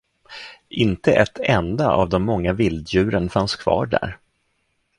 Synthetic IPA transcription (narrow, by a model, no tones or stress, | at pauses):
ʔɪnt̪əʔɛt̪ʰɛnd̪aʔa̰vd̪ɔmːɔŋːavɪld̪jʉ̟ːɾənfanskʰvɑ̰ːɖæ̰ɾ